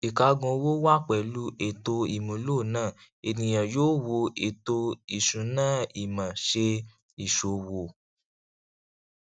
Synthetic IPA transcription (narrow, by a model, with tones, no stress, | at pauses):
i˨ka˧ɡɔ̃˧wo˦wa˦k͡pɛ˨lu˦ʔe˨to˧i˨mũ˨˦lo˦˨nãː˦˨ | e˨nĩ˨j̃ã˨joː˦wo˧ʔe˨to˧i˨ʃũ˨˦nãː˦˨i˨mã˨ʃe˧ | i˨ʃo˨wo˨